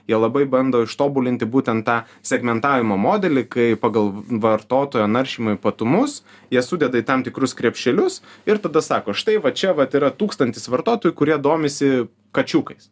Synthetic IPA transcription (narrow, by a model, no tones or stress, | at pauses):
jiɛlˠɐbɐɪbɐnd̪oːɪʃt̪oːbʊlʲɪnʲt̪ʲɪbuːt̪ʲɛnt̪t̪ːɑː | sʲɛɡmʲɛnt̪ɑːʋʲɪmoːmoːd̪ʲɛlʲɪkɐɪpɑːɡɐlˠʋɐɾt̪oːt̪oːjonɐɾʲʃʲiːmoɪpɐt̪ʊmʊs | jiɛsʊd̪ʲɛd̪ɐit̪ɐmt̪ʲɪkɾʊskɾʲɛpʲʃʲt͡ʃʲɛlʲʊsɪɾt̪ɐd̪ɐsɑːkoːʃt̪ɐɪʋɐt͡ʃʲɛʋɐt̪iːɾɐt̪uːkst̪ɐnʲt̪ʲɪsʋɐɾt̪oːt̪oːjʊkʊɾʲiɛd̪oːmʲɪsʲɪ | kɐt͡ʃʲuːkɐɪs